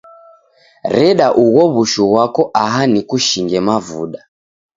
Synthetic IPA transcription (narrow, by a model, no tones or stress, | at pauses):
ɾɛɗaʔuɣɔβuʃuɣwakɔʔaɦanikuʃiŋɡɛmavṵɗa